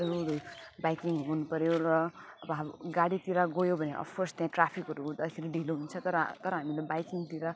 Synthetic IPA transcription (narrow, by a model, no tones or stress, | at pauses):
ɾuɾubajkiŋɡonupʌɾjoɾʌʌbʌɦaɡaɽit̪iɾaɡojobʱʌneʔʌ̰bkʰorst̪jãʈrapʰikɦʌɾud̪ʌkʰiɾiɖʱiloɦunt͡sʰʌt̪ʌɾʌt̪ʌɾʌɦamilebajkiŋt̪iɾa